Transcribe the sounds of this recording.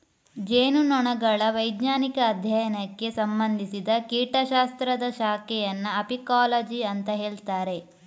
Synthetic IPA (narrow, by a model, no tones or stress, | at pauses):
d͡ʒeːnunɔɳɐɡɐɭɐʋɐjd̪ɲaːnikɐːd̪ʱjɐjɐnɐkːe̞sɐmbɐnd̪ʱisid̪ɐkiːʈɐʃaːst̪ɾɐd̪ɐʃaːkɛjɐnːɐɐpikaːlɐd͡ʒiɐnt̪ɐɦeːɭt̪aːɾe̞